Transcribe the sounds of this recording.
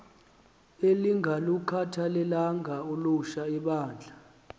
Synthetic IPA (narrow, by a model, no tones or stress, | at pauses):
eliŋʱalukʰatʰalɛlaŋɡʱauluʃaiɓaːnd͡ɮʱa